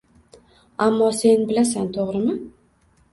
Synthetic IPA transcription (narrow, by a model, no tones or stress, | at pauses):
amːɒse̞nbɪlasant̪ʰoʁɾɪmɪ